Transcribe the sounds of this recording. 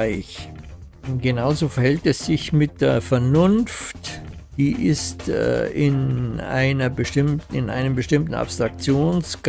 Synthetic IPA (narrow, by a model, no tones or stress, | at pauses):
ɪç | ɡ̥ənaʊzoːfɛɐhɛltɛsz̥ɪçmɪt̚d̥eːɐfɛɐnʊnftd̥iːʔɪstʔɪna̰ɪnɐbəʃtɪmtɪ̰nʔa̰ɪnəmbəʃtɪmtn̩ʔa̰pstʁ̥ak̚t͡sjoːnsɡ̥